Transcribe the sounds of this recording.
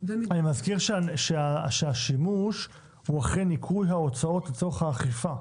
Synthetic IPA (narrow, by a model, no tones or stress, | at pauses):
animazkiʁʃʃeaʃeaʃimuʃ | huaχenikʰujɦao̞t͡sao̞tleto̞χhaːχifa